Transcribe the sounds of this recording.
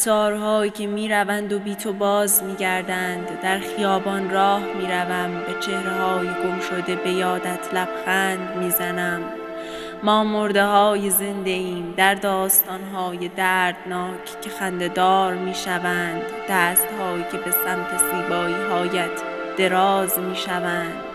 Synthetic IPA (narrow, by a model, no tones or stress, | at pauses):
sɒːɾɦɒːjicʰe̞miːɾævænd̪o̞biːt̪ʰobɒːzmiːɟæɾd̪ænd̪ːæɾxijɒːbɒnrɒːhmiːɾævæmbet͡ʃʰe̞hɾeɦɒːjeɡo̞mʃo̞d̪e̞be̞jɒːd̪æt̪ʰlæb̥xæːnd̪miːzænæmː | ɒːmoɾd̪e̞hɒːjeze̞nd̪e̞iːmd̪æɾd̪ɒːst̪ɒːnɦɒːjed̪æːɾd̪nɒːcʰcʰe̞xænd̪e̞d̪ɒːɾmiːʃævæːnd̪d̪æːst̪hɒːjicʰe̞be̞sæmt̪ʰe̞siːbɒːiːɦɒːjæt̪ʰ | d̪̥e̞ɾɒːzmiːʃævænd̪̥